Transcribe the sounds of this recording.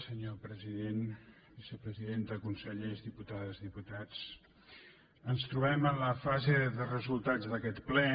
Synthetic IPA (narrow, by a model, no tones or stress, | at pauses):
səɲopɾəziðen | bisəpɾəziðend̪əkunsəʎezðiput̪aðəzðiput̪at͡s | ənst̪ɾuβɛmənləfazeðərəzulˠt̪ad͡zðəkɛt̪plɛ